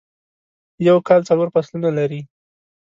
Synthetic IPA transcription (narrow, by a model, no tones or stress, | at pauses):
jawkɑlt͡saloɾpaslunalaɾi